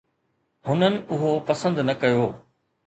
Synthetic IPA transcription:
ɦʊnənɪ̆ʊɦopɐsə̃nd̪nɐkɐjoː

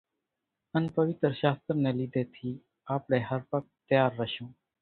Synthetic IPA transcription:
ənpəʋɪt̪ɾʃaːst̪ɾneːliːd̪eːt̪ʰiː | aːpɽeːɦəɾpək̚t̪jaːɾːəʃõː

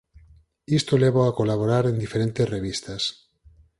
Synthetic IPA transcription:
ist̪oleβoakolaβ̞oɾaɾend̪ifeɾent̪esreβ̞ist̪as

